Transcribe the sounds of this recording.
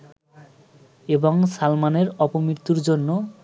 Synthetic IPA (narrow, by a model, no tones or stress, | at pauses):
eboŋsalmaneɾɔpomɾiɾt̪uɾd͡ʑonːo